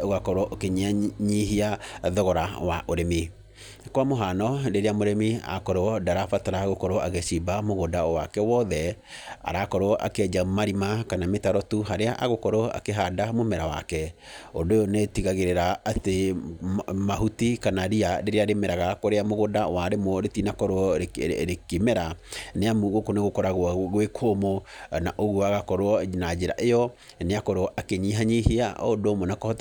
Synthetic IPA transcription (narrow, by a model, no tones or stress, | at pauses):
oɣakɔɾɔʔokeɲaɲiɦiaðɔɣɔɾawaʔoɾemi | kwamoɦanɔdeɾeamoɾemia̰kɔɾoɔdaɾafataɾaɣokɔɾoʔaɣeʃibamoɣodaɔwakɛwɔðɛ | a̰ɾakɔɾoɔʔa̰kɛd͡ʒamaɾimakanametaɾɔtuɦaɾeaʔaɣokɔɾoa̰keɦadamomɛɾawa̰kɛodojɔnetiɣaɣeɾeɾaːte | maɦutikanaɾiaɾeɾeaɾemɛɾaɣakoɾeamoɣodawaɾemɔɾetinakɔɾoɔɾekemɛɾaneamuɣokoneɣokɔɾaɣɣwekʰomɔnaʔoɣoaɣakɔɾoɔnad͡ʒeɾa̰ʔejɔ | neakɔɾoɔʔakeɲiɦaɲiɦiaʔɔdomɔnakɔhɔt